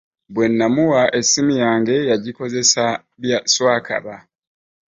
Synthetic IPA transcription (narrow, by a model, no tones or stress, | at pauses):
bwe̞nːamuwaʔe̞sːimijaːŋɡe̞jaɟiko̞ze̞sa | βjaswaːkʰa̰βa